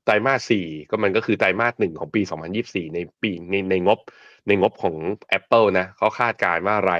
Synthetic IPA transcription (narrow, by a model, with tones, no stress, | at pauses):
t̪aː˧jmaː˥˩t̪̚siː˨˩kɔː˥˩ma˧nk̬ɔː˥˩kʰɯː˧t̪a˧jmaː˥˩t̪̚nɯ˨˩ŋkʰɔː˩˦ŋpiː˧sɔː˩˦ŋpʰa˧njiː˥˩p̚siː˨˩na˧jpiː˧na˧jna˧jŋo˦˥p̚ | na˧jŋo˦˥p̚kʰɔː˩˦ŋʔɛ˦˥pːɤː˥˩na˦˥kʰa˦˥wkʰaː˥˩t̪̚kaː˧nwaː˥˩ɾa˧